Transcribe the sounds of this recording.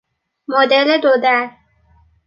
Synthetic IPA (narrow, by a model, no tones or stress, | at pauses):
mod̪eled̪od̪æɾ